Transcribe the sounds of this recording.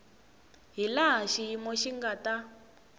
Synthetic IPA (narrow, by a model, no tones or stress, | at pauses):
ɦilaɦaʃijimɔʃiŋɡata